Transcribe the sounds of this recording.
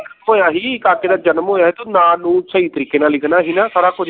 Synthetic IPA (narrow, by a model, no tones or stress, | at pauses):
ɦoːjaːɦiːɪkaːkeːd̪aːd͡ʒənmɦoːjaːɦeːt̪oːnãːnũːsəiːt̪əɾiːkeːnaːllɪkʰnaːɦiːnaːsaːɾaːkʊd͡ʒ